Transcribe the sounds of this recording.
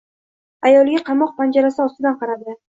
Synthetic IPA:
ajɒlˠɡʲaqʰɑmɒq̚pʰand͡ʒaɾasɪɒst̪ɪd̪anqɑɾad̪ɪ

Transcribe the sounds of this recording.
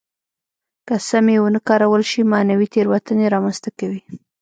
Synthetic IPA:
kasamewonəkɑɾawəlʃimanawit̪eɾwat̪əneɾɑmanst̪akawi

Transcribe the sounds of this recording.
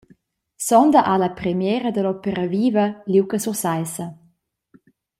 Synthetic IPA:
sɔnd̪əʔalapɾɛmjɛːɾəd̪əlɔpəɾaviːvɐliwkəsursajsɐ

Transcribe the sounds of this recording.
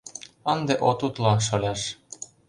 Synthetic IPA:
ənd̪eʔot̪ut̪lɑʃolʲɑʃ

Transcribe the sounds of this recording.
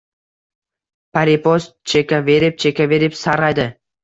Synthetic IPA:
paɾʲipost̪̚t͡ʃʰekʲavʲeɾʲɪp̚t͡ʃʰekʲavʲeɾɪpsɑɾʁɑjd̪ə

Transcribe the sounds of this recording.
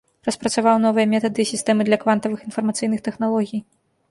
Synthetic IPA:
rɐspɾɐt̪savawn̪ɔvɨjɐmʲɛt̪ɐd̪ɨsʲist̪ɛmɨd̪lʲɐkvant̪ɐvɨxinfɐrmɐt̪sɨjnɨxt̪ɛxnalˠɔɣʲij

